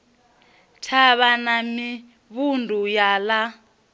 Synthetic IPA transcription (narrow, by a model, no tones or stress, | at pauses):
tʰaβanami | βundʱujala